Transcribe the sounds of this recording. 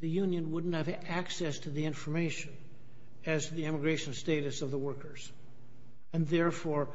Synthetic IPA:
ðɨjʉ̃njɨ̃nwʊdⁿn̩thɨv | æksɛstʰɨðiɪ̃ɱfə˞meɪʃɨ̃n | ɨz̥ʰðiɛmɨɡɹeɪʃɨ̃n̩steɪɾɨsʌvðəwɜ˞kə˞z̥ | ɨ̃nðɛɹfɔɹ

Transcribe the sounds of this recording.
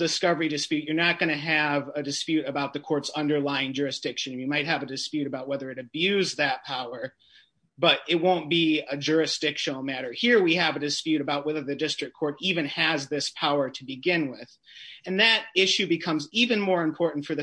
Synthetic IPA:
dɨskʌvə˞idɨspjʉt͡ʃə˞nɨt̚ɡ̥ʌñɨɨvɨdɨspjʉɾɨbaʊt̪̚ðɨkʰɔɹtsʌ̃ndə˞laɪɪ̃ŋd͡ʒʊɹɨsd̥ɪkʃɨ̃njɨmaɪt̚hɨvɨdɨspjʉɾɨbaʊt̚wɛðə˞ɨɾɨbjʉzðɨt̚pʰaʊə˞ | b̥ʌɾɪt̚wõʊ̃nb̥iɨd͡ʒʊɹɨsd̥ɪkʃɨnl̩ˠmæɾə˞hiɹwiɨvɨdɨspjʉɾɨbaʊt̚wɛðə˞ðɨdɪstɹ̥ɨkʰɔɹɾivɨ̃nɨzðɪspʰaʊə˞ɾɨbɨɡɪ̃nwɪð̥ | ɨ̃nðɨɾɪʃʉbɨkʰʌ̃mzivɨ̃nmɔɹɨ̃mpʰɔɹʔn̩tfə˞ðɨ

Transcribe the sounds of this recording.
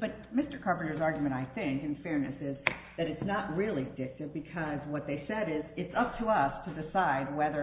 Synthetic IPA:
b̥ʌt̚mɪstə˞kʰɑɹpɨ̃n̩ə˞zɑɹɡjmɨ̃ɾ̃aɪθɪ̃ŋkɨ̃nfɛɹnɨsɪzðɨɾɨtsnəʔ̚ɹɪlˠidɪk̚tɨvbɨkʰʌzwʌt̪̚ðeɪsɛɾɪzɨtsʌp̚tʰəʌstʰɨdɨsaɪd̚wɛðə˞

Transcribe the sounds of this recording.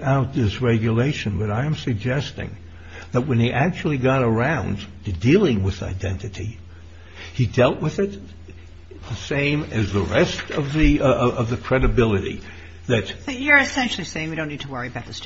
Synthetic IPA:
aʊt̪̚ðɪsɹɛɡjɨleɪʃɨ̃nbʌɾaɪɨ̃msɨɡ̚d͡ʒɛstɪ̰̃ŋ | ðət̚wə̃niʔæk̚t͡ʃul̩ˠiɡɑɾə˞ãʊ̃n | ɨdilˠɪ̃ŋwɨð̥a̰ɪdɛ̃ntɨɾi | idɛlˠʔwɨðɪt̪̚ | ðɨsẽɪ̃mɨzðəɹɛstʌvðɨʌvðɨkʰɹ̥ɛɾɨbɪlˠɨɾḭ | ðɨt̪̚jə˞ɨsɛ̃nʃl̩ˠiseɪɪ̃ŋjɨɾõʊ̃nːid̚tʰəwɜ˞iɨbaʊt̪̚ðɨs

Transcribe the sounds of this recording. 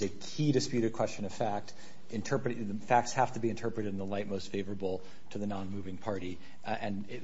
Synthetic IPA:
ɨkʰiɾɨspjʉɾɨd̚kʰw̥ɛst͡ʃɨ̃nʌv̥fæk̚t | ɨ̃ntʰɜ˞pɹɨɾðfæk̚tshæftɨbiɨ̃ntʰɜ˞pɹɨɾɨɾn̩ðəlaɪt̚moʊstfeɪvə˞əbl̩ˠ | tʰɨðɨnɑ̃nmʉvɪ̃ŋpʰɑɹɾi | ɨ̃n

